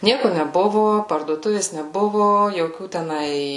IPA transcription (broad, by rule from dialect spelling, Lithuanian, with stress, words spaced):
ˈnʲiɛkʊ nʲɛˈbʊʋʊ pɐrduɔˈtʊʋʲeːs nʲɛˈbʊʋʊ joːˈkʲuː tʲɛˈnɐɪ